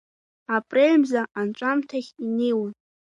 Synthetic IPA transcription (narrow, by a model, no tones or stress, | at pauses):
apʼrelmzaʔanʈ͡ʂʷʼamtʰaχʲinejwn